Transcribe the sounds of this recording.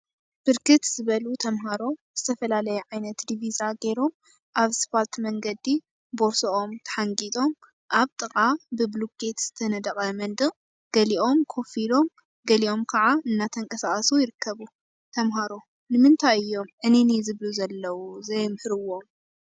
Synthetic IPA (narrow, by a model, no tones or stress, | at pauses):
b̥ɨɾkʰɨt̪z̥ɨβɐlut̪ʰɐmɦaɾo̞z̥ɨt̪ʰɐfɐlalɐjɛʕajnɐt̪d̪ivizaɡe̞ɾo̞m | ʔaβspʰalt̪mɐŋɡɐd̪i | boɾsoʔomt̪ʰɐ̥ħaŋɡit̪ʼo̞m | ʔaβt̪ʼɨχʼabɨbluket̪z̥ɨt̪ʰɐnɐd̪ɐqʼɐmɐnd̪ɨ | ɡ̥ɐliʔo̞mkʰo̞filo̞m | ɡɐliʔo̞mkʰɐʕaɨnːat̪ʰɐŋkʼɐsaʔʼɐsujɪɾɨkːɐβu | t̪ʰɐmɦaɾo | nɨmɨnt̪ʰajɨjːo̞mʔɨninizɨβluzɐlːɐwuzɐjmħɨɾɨwo̞m